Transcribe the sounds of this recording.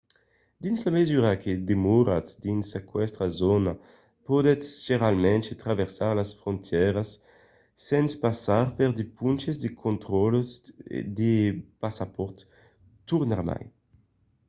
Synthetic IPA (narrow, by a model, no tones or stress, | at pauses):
d̪inslamezyɾakʰed̪emuɾasd̪insekwɛst̪ɾazona | pod̪ɛʒ̥eɾalmɛ̃nt͡ʃet̪ɾaveʁsaʁlasfɾont̪ʰjɛɾasː | ɛnspasaɾpeʁd̪epunt͡ʃezd̪ekʰont̪ɾɔlsd̪epasapɔɾt̪ː | uʁnaʁma̰j